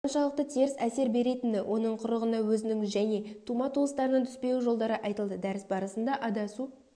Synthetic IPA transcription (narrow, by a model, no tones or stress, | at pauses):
nʃɑlˠəq̚t̪ət̪ʰieɾɪsæse̞ɾbe̞ɾe̞t̪ɪnd̪ɪwʔo̞nəɴqʰʊɾəʁənɑwɵzɪnɪŋʒæne̞t̪ʰumɑt̪ʰuəst̪ɑɾənɑnt̪ʰʏ̥spe̞uʒo̞lˠd̪ɑɾəʔɑjt̪əlˠd̪əd̪æɾɪsbɑɾəsənd̪ɑʔɑd̪ɑsu